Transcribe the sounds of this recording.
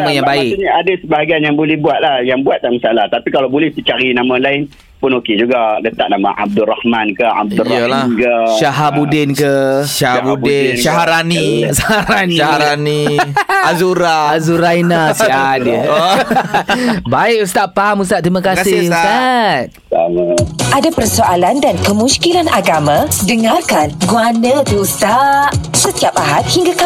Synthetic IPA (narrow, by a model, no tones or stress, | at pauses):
amãjãŋbaɪʔuɲaadasəbaɦaɡianjaŋbolɛhbuat̪̚lahjaŋbuat̪̚ːaʔməsalaht̪apikalawbolɛhsit͡ʃaɾinãmãlaɪn | pʊnoked͡ʒuɡalət̪a̰ʔ̚nama̰ʔa̰b̚dʊrahmankəa̰b̚durəlankəʃaɦabudɪnkəʃaɦabudɪʃaɦaɾanisahaɾaniaɦaɾaniazuɾaazuɾainasadə | baɪk̚ust̪aʔpaɦamus̬t̪aʔ̚t̪ɾimakakasɪst̪at̪̚ | alaʔadapərsoʔalandankəmũskilanʔaɡamãdəŋarkanɡuanãt̪uust̪aʔsət̪iapaɦat̪̚hiŋɡaka